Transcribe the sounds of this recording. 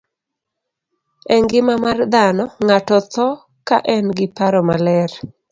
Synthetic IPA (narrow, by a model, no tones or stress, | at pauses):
ɛŋɡɪmamard̪anɔŋatɔt̪ʰɔ | kaʔɛnɡɪpaɾɔmalɛr